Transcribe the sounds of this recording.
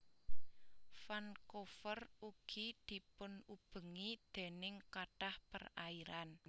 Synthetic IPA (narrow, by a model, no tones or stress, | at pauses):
fankofəruɡ̥id̪̥i̤pʊnub̥ə̤ŋid̪̥e̤nɪŋkaɖ̥ahpə̰raiɾan